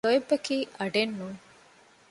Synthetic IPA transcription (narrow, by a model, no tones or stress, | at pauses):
ojebːɐkiːʔɐɖenːuː